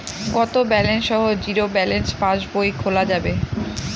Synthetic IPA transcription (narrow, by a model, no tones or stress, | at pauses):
ɡɔt̪obɛlenʃɔɦod͡ʑiɾobɛlenspãʃbojkʰolad͡ʑabe